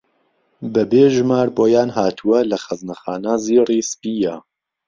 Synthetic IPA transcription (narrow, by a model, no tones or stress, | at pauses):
bɐbeːʒmaːɾboːjaːnɦaːt̪ʰuwɐlɐxɐznɐxaːnaːziːriːspiːja